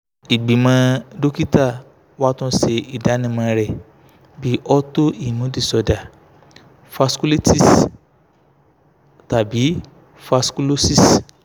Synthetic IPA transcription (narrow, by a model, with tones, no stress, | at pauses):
i˨ɡ͡bi˨mã˧˦do˦ki˦ta˦˨ | wa˦tũ˦se˧˨i˨da˨˦nĩ˦˧˨mã˧ɾɛ˨ | bi˨˦ʔɔ˦to˦i˦˨nũ˨˦di˦˨sɔ˧da˨ | fa˧sku˦li˦ti˦˨s | ta˨bi˨˦ | fa˧sku˦lo˦si˦s